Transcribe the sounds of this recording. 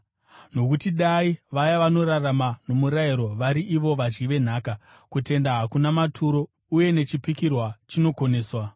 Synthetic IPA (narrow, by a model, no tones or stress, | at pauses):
no̞kutiɗaiʋajaʋano̞ɾaramano̞muɾaiɾo̞ʋaɾiʔiʋo̞ʋad͡ʒɡiʋe̞n̤aːka | kute̞ndaɦakunamatʰuɾo̞ | uje̞net͡ʃipikirwat͡ʃino̞ko̞ne̞ːswa